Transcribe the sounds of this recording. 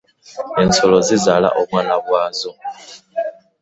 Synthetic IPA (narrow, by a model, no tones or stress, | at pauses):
ent͡sʰɔlɔzizala̰ʔomwanaβwaːzɔ